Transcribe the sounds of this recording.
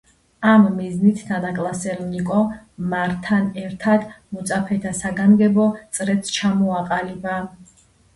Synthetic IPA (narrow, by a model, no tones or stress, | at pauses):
amːiznit̪ʰnanakʼlˠasɛɾnikʼɔmaɾt̪ʰanɛɾt̪ʰad̪mɔt̪sʼapʰɛt̪ʰasaɡamɡɛbɔt̪sʼɾɛt̪st͡ʃʰamɔaqʼaliba